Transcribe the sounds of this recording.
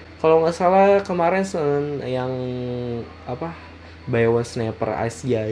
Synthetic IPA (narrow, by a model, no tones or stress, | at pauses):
kalawŋasalakəmaɾɛnsnjaŋ | apa | bajwasnɛpə̰ra̰sia